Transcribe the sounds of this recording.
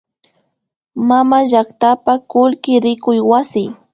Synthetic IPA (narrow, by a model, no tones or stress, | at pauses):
mamaʒakt̪apakʊlkɪɾɪkʊjwasɪ